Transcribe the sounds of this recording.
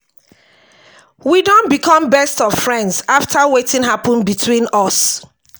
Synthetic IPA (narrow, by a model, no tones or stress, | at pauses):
widõnbikʰɔ̃mbɛstɔv̥fɹɛ̃ndzaftʰawetĩnɦapɔ̃nbitʰwĩnɔs